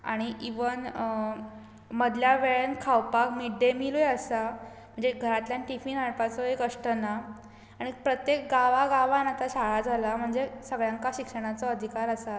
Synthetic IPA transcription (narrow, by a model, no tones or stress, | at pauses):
a̰ɽ̃iʔiʋən | məd̪ljaʋeɭənkʰawpakmiɖemilujeəsa | m̤əɳd͡zeɡʱəɾat̪ljanʈifinɦaɭpat͡sɔɦekəʂʈəna | aɽ̃ipɾət̪jek̚ɡaʋaɡaʋanat̪aɕaɭad͡zʱalam̤əɳd͡zesəɡɭjãŋkaɕikʂəɽ̃at͡sɔəd̪ʱikaɾasa